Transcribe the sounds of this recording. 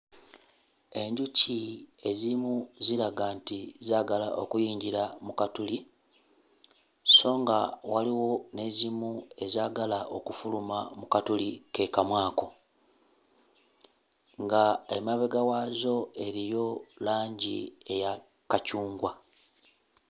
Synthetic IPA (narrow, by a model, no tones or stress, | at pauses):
e̞ɲɟucie̞zimuziɾaɡaːntizaːɡala̰ʔo̞̰kujiːɲɟiɾamukatuli | so̞ːŋɡawaliwo̞ne̞zimue̞zaːɡalaʔo̞kufulumamukatulike̞kamwaːko̞ | ŋɡae̞maβeɡawaːzo̞e̞ɾijo̞laːɲɟḭe̞ja | kacuːŋɡwa